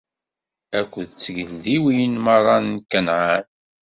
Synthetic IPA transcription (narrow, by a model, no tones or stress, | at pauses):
ækʷːðt͡sːɡəlːiwijnmɑrˤɑnːkːænʕan